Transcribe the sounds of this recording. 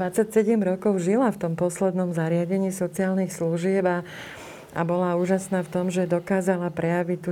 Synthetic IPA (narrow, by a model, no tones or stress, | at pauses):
ʋat͡sacsɛɟɛmɾɔkɔʊʒilaft̪ɔmpɔslɛd̪nɔmzaɾɪaɟɛɲiːsɔt͡siaːlnixsluʒɪɛba | a̰bɔlauːʒasnaːft̪ɔmʒɛd̪ɔkaːzalapɾɛjaʋict̪ːu